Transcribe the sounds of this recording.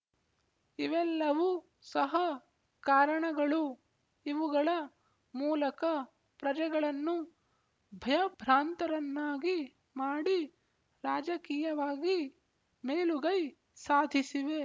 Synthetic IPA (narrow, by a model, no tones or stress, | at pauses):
iʋɛlːɐʋu | sɐɦɐ | kaːɾɐɳɐɡɐɭu | iʋuɡɐɭɐ | muːlɐkɐ | pɾɐd͡ʒɛɡɐɭɐnːu | bʱɐjɐbʱɾaːnt̪ɐɾɐnːaːɡi | maːɽi | ɾaːd͡ʒɐkiːjɐʋaːɡi | meːluɡɐj | saːd̪ʱisiʋe